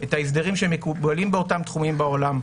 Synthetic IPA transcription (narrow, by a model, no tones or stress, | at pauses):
ʔetaisd̪eʁimʃemekubalimbeo̞tamt̪χumimbaolam